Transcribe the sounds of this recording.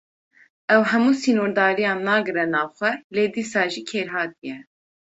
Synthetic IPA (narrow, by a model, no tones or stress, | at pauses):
ɛwɦɛmuːsiːnoːɾd̪ɑːɾijɑːnːɑːɡɨɾɛnɑːvxʷɛleːd̪iːsɑːʒiːkʰeːɾɦɑːt̪̚ijɛ